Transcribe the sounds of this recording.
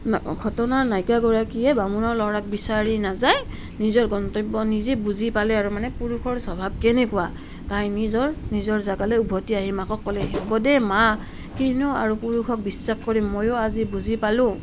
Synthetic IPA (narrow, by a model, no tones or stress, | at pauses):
ɡʰʱɔtɔnaɹnajkaɡɔɹakiɛbamunɔɹlɔɹak̚bisaɹinazaj | nizɔɹɡɔntɔbɔnizɛbuzipalɛaɹumanɛpuɹuxʰɔɹsɔbʱab̚kɛnɛkuwa | tajnizɔɹnizɔɹzaɡalɔjubʱɔtiaɦimakɔkːɔlɛɦɛbɔdɛma | kinua̰ɹupuɹuxʰɔk̚bisːaxkɔɹimːojʊazibuzipalʊ̃